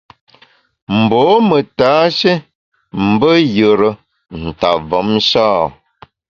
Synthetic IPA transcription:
m̩˨bɔː˨˦mə˨taː˨˦ʃe˦ | m̩˨˦bə˦jə˨ɾə˦ | n̩˨ta˨vɔ˨˦mʃaː˦˨

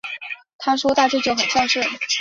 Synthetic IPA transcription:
t̪ʰa˥ʂwɔ˥t̪a˥˧ʈ͡ʂy˥˧t͡ɕjo˥˩ʊxə˨˩nɕja˥˧ŋʂɻ̩˥˩

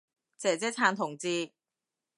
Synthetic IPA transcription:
t͡sɛː˨˩t͡sɛː˥t͡sʰaː˧nt̪ʰʊ˨˩ŋt͡siː˧

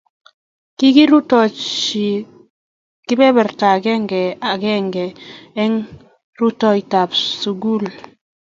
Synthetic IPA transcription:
ki˦ɡi˦ɾu˦tɔ˨t͡ʃi˨ | ki˦bɛ˦bɛ˨ɾta˨ɡɛ˦ŋɡɛ˨a˨ɡɛ˦ŋɡɛ˨ɛ˦ŋ | ɾu˦tɔ˦i˨ta˨psu˨ɡu˦˨l

